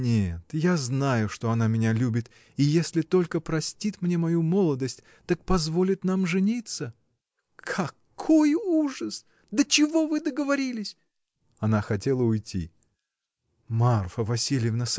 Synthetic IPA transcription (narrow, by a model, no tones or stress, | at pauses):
nʲet̪jaznajʊʂt̪o̞ɐnamʲɪnʲalʲubʲɪt̪ | ijesʲlʲɪt̪o̞lʲkəpɾɐsʲtʲit̪mnʲe̞mɐjumo̞lˠəd̪əsʲtʲ | t̪ak̚pɐzvo̞lʲɪt̪namʐɨnʲit̪sə | kʰɐkʰojuʐəs | d̪ət͡ɕɪvo̞vɨd̪əɡəvɐɾʲilʲɪsʲ | ɐnaxɐtʲe̞lˠəʊjtʲḭ | marfəvɐsʲilʲɪjəvnəs